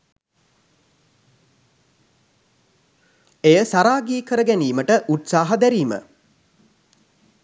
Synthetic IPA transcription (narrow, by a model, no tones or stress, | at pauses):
ejəsaɾaːɡiːkəɾəɡæniːməʈəʔut̪saːɦad̪æɾiːmə̰